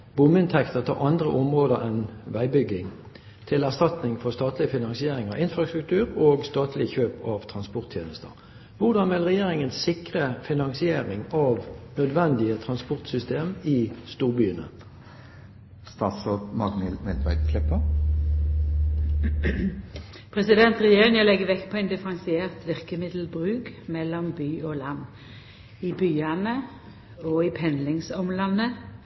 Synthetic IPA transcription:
b̥ʊməɪnt̪ʰɛkt̪əʁt̪ʰɑ̰ːʁʔɑnd̪ʁə̰ʔɔmʁoːd̪əʁɛnʋæɪbʏɡːɪŋ | t̪ʰɪlæʁst̪ɑt̪nɪŋfɔʁst̪ɑːt̪lɪəfɪnɑŋsɪeːʁɪŋɑʋɪnfʁɑst̪ʁʉk̚t̪ʰʉːʁoːɡst̪ɑːt̪ʰlɪçøːpʰɑʋt̪ʰʁɑnspɔʁt̪ʰjḛːnəst̪ə̰ʁ | ʋʊd̪ɑnʋɪlʁɛjeːʁɪŋənsɪkʁəfɪnɑŋsɪeːʁɪŋɑʋnœd̪ʋɛnd̪ɪət̪ʰʁɑnspʊʁt̪sʏst̪eːmɪst̪uːʁbyːənə̰ | st̪ɑːt̪soːpmɑɡnɪlmɛld̪ʋæ̰ɪd̪kʰlɛpə | pʰʁɛsɪd̪ɛnt̪ʁɛjeːʁɪŋəlɛɡəʋɛkːpʰɔæɪnd̪ɪfʁɑnsɪeːʁt̪ʋɪʁkəmɪd̪l̩bʁʉːkmɛlːɔmbyːoːlɑnː | ɪbyːɑnə | ɔːɪpʰɛnlɪŋsɔmlɑnːə

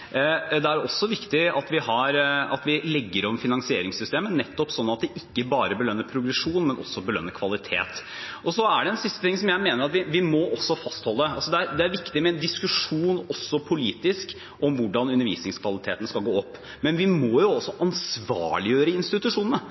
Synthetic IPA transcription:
d̪ɛæɾɔsːɔʋɪkt̪ɪɑt̪ʋɪhɑɾɑt̪ʋɪlɛɡːəɾɔmfɪnɑŋsɪeːɾɪŋsʏst̪eːmənɛt̪ːɔpsɔnːɑt̪̚d̪ɛʔɪkːəbɑːɾəbəlœnːəpʰɾʊɡɾɛʂuːnmɛnʔɔ̰sːɔbəlœ̰nːəkʰʋɑlɪt̪ʰḛːt̪ɔsɔæɖɛɛnsɪst̪ə̥t̪ʰɪŋsɔmjæɪmeːnəɾɑt̪ʋɪʋɪmɔʔɔsːɔfɑst̪hɔlːəɑ̰lsɔd̪ɛæɾd̪ɛæɾʋɪkt̪ɪmɛɛnd̪ɪskʉʂuːnɔsːɔpʰʊliːt̪ɪsk | ɔmʋʊɖɑnʉnːəɾʋḭːsnɪŋskʰʋɑlɪt̪ʰeːt̪ənskɑlɡoːɔpː | mɛnʋɪmɔjʊɔsːɔʔɑnsʋɑ̰ːɭɪjøːɾəɪnst̪ɪt̪ʉʂuːnənə

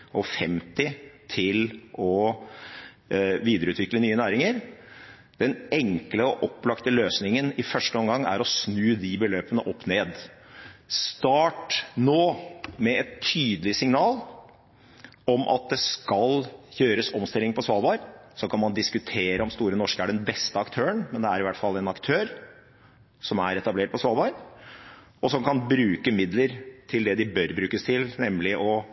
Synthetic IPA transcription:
ɔfɛmt̪ɪt̪ʰɪlʔɔ | ʋiːd̪əɾəʉːt̪ʋɪklənyːənæːɾɪŋəɾ | d̪̥ɛnɛŋkləɔʔɔpːlɑkt̪əløːsnɪŋənɪfœʂʈəɔmɡɑŋːæ̰ɾɔsnʉːd̪ɪbəløːpənəʔɔpːneːd̪ | st̪ɑːʈnoːmɛɛt̪ʰːyːd̪əlɪsɪŋnɑːl | ɔmʔɑ̰t̪̚d̪ɛskɑljøːɾəsɔmst̪ɪlːɪŋpʰɔsʋɑlbɑɾsɔkʰɑnmɑnd̪ɪskʉt̪ʰeːɾəɔmst̪uːɾənɔʂkəæɖɛnbɛst̪əɑkt̪ʰøːənmɛnd̪ɛæɾɪʋæʈːfɑlːɛnɑkt̪ʰøːɾ | sɔmæɾɛt̪ɑbleːʈ̚pɔsʋɑːlbɑɾ | ɔsɔmkʰɑnbɾʉːkəmɪd̪ləɾt̪ʰɪld̪ɛd̪ɪbœɾbɾʉːkəst̪ʰɪlnɛmlɪʔɔ

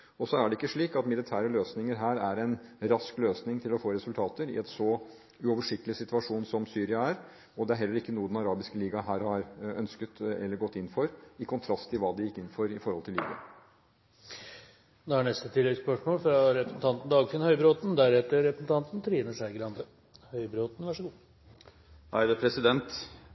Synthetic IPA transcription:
ɔsɔæɖɛɪkːəʂɭiːkɑt̪mɪlɪt̪ʰæːɾəløːsnɪŋəɾɦæːɾæɾɛnɾɑskløːsnɪŋt̪ʰɪlɔfoːɾɛsʉlt̪ʰɑːt̪əɾɪ̰ɛt̪sɔ | ʉɔʋəʂɪk̚t̪əlɪsɪt̪ʉɑʂuːnsɔmsyːɾɪɑæɾ | ɔd̪ɛæɾɦɛlːəɾɪkːənuːəd̪ɛnɑɾɑːbɪskəliːɡɑɦæːɾhɑɾœnskət̪ɛ̰lːəɾɡɔt̪ːɪnːfɔɾɪkʰʊnt̪ʰɾɑst̪ʰːɪlʋɑːd̪ɪjɪkːɪnːfɔɾɪfɔɾhɔlt̪ʰɪliːɡɑ | nːhæɳɛst̪ət̪ʰɪlːɛɡspœʂmoːlfɾɑɾɛpɾəsn̩t̪ɑnt̪n̩d̪ɑːɡfɪnhœʏbɾoːt̪n̩d̪æɾɛt̪ːəɾɛpɾəsn̩t̪ʰɑnt̪n̩t̪ʰɾiːnəʂæɪɡɾɑnd̪ə | hœʏbɾoːt̪n̩ʋæʂəɡuː | hæ̰ɪd̪əpʰɾɛsɪd̪ɛnt̪

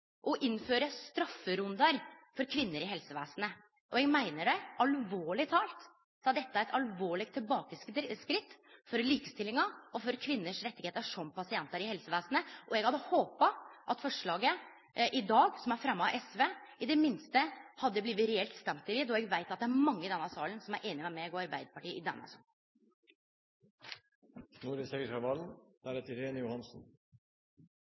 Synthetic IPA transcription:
ʔɔʔɪnføːɾəst̪ɾɑfːəɾʉnd̪ɑɾfɔɾkʰʋɪnːəɾɪɦɛlsəʋæːsənə | ʔɔɛɡmæɪnəɖɛʔɑlʋoːɭɪt̪ʰɑːlt̪ | sɑd̪ɛt̪ːəæɾɛt̪ɑlʋoːɭɪk̚t̪ʰːɪlbɑːkəsskɾɪt̪ː | fɔɾliːkəst̪ɪlːɪŋɑɔfɔɾkʰʋɪnːəʂɾɛt̪ːɪɡeːt̪əʂɔmpɑsɪɛnt̪əɾɪhɛlsəʋæːsənəʔɔɛɡhɑd̪ːəhoːpɑʔɑt̪fɔʂɭɑːɡə | ʔɪd̪ɑːɡsɔmæɾfɾɛmːɑʔɛsʋeːɪd̪ɛmɪnst̪əhɑd̪ːəbliːʋətɾɛɛlt̪st̪ɛmt̪ɪlɪd̪ɔɛɡʋæɪt̪ɑt̪̚d̪ɛææɾmɑŋːəɪd̪ɛnːəsɑːlənsɔmæɾʔeːnɪɛmɛɛɡoːɑɾbæɪd̪əpɑʈiːʔɪd̪ɛ̰nːɑ̰sɑ̰ːl | nuːɾəsɛɡəɾɑʋɑln̩d̪̥æɾɛt̪əɾeːnəjʊhɑnsn̩

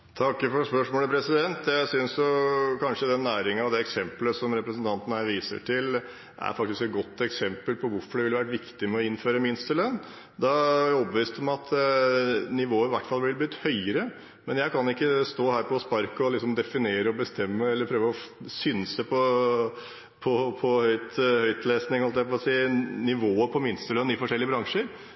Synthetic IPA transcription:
t̪ʰɑkːfɔɾspœʂmoːləpʰɾɛsɪd̪ɛnt̪jæɪsʏnsjʊkʰɑnʂəd̪ɛnːæːɾɪŋɑʋd̪ɛːɛksɛmpləsɔmɾɛpɾəsənt̪ʰɑnt̪ənəhæɪʋiːsə̰ʈʰɪl | ʔæ̰ɾfɑk̚t̪ɪskɛt̪̚ɡɔt̪ːɛksɛmpəlpʰɔʋʊɾfɔɖɛʋɪlːʋæɾəʈʋɪkt̪ɪmɛɔɪnføːɾəmɪnst̪əlœnː | d̪ɑɔpəʋiːst̪ɔmɑt̪ʰ | nɪʋoːəɾɪʋæʈːfɑlblɪb̪lʏt̪ːhœʏəɾə | mɛnjæɪkʰɑnɪkːəst̪oːhæːɾpʰɔspɑɾkəɔlɪksɔmd̪ɛfɪneːɾəɔbəst̪ɛmːəɛlːəɾpʰɾøːʋəɔsʏnsəpʰɔ | pʰɔpʰɔhœʏt̪hœʏt̪leːsnɪŋɔhɑlt̪ɛæfɔɔsiːnɪʋoːəpʰɔmɪnst̪əlœnːɪfɔʂɛlːɪəbɾɑŋʂəɾ

